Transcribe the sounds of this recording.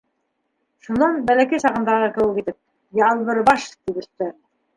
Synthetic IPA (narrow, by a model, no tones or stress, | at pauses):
ʃunɑnbælækæjsɑʁɤ̆nd̪ɑʁɤkɘ̆wɘkit̪ɘp̚ | jɑlˠβɤɾbɑʃt̪ibɘ̆st̪æɾ